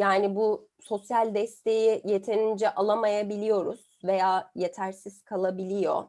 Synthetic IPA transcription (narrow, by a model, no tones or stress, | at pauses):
jaːnibuso̞sjalʲd̪ɛst̪ʰe̞jije̞t̪ʰe̞nind͡ʒɛʔalˠamajabilʲijo̞ɾuz̥ve̞jaːje̞t̪ʰæɾsiz̥kʰalˠabilʲijo̞̰